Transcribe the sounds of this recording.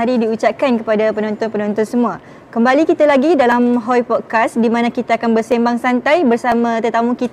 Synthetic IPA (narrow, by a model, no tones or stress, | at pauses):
aɾidiut͡ʃap̚kankəpadapənɔnt̪ɔnpənɔ̃nt̪ɔnsəmũa | kəmbalikit̪alaɡidalamɦɔjpɔd̚kasdimãnãkit̪aːkanbərsembaŋsant̪ajbərsamãt̪ərt̪amũkit̪